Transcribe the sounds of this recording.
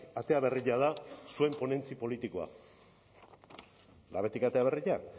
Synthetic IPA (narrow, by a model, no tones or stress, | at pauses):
at̪e̞aβe̞riʎaðasue̞mpo̞ne̞nt͡sipo̞lit̪ikoa̰ | la̰βe̞t̪ikat̪e̞aβeriʎa